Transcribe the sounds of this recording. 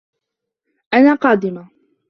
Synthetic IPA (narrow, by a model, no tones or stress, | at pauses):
ʔanaːqɑːd̪ɪma